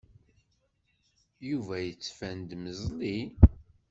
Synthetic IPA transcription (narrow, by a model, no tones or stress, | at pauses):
juvæjət͡sːfænd̪məzli